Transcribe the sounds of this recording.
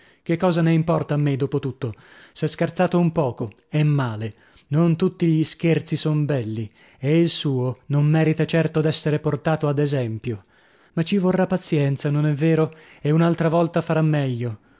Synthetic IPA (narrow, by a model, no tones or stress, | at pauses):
k̟ekːɔːzaneimpɔrt̪aːmːed̪oːpot̪ut̪ːosɛskert̪saːt̪oumpɔːko | ɛmːaːle | nont̪ut̪ːiʎiskert̪sisombɛlːi | eilsuːonomːɛːɾit̪at͡ʃɛrt̪od̪ɛsːeɾeport̪aːt̪oad̪ezɛmpjo | mat͡ʃːivorːapːat̪sjɛnt̪sanonɛvːeːɾoeunalt̪ɾavɔlt̪afaɾamːɛʎːo